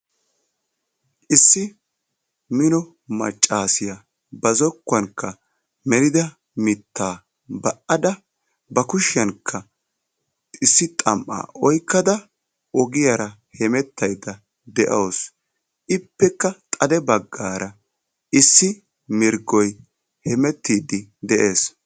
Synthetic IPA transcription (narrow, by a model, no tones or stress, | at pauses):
ʔɪsːɪ | mɪnɔ | mɐ̰t͡ʃʼːaːsɪjɐ | bɐzɔkːɐnkːɐ | mɛlɪd̪ɐ | mɪt̪ːaː | bɐʔɐd̪ɐ | bɐkʊʃɪjɐnkʰːɐ | ɪsːɪt̪ʼɐmʔa̰ːʔɔjkːɐd̪ɐ | ʔɔɡɪjɐɾɐ | hɛmɛt̪ːɐjd̪ɐ | d̪ɛʔɐws | ɪpːɛkːɐt̪ʼɐd̪ɛbɐɡːaːɾɐ | ɪsːɪ | mɪɾɡɔj | hɛmɛt̪ːiːd̪ɪd̪ɛʔe̞ːs